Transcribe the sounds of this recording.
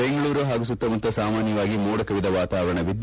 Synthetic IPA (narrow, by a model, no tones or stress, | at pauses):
eŋɡɐɭuːɾuɦaːɡus̬ut̪ːɐmɐnt̪ːɐsaːmaːnjɐʋaːɡimɔːɽɐkɐʋid̪ɐʋaːt̪aːʋɐɾɐɳɐʋid̪